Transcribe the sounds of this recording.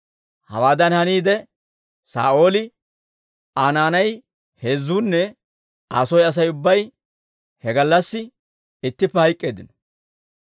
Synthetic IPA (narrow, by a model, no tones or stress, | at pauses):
hɐ̰waːd̪ɐnhɐniːd̪ɛ | sa̰ːʔo̞ːlɪ | aːnaːnɐj | heːzuːnːɛ | aːsɔjɐs̬ɐjʊbːɐj | hɛɡɐlːɐsːɪ | ɪt̪ːɪpːɛhɐjkʼːeːd̪ɪnɔ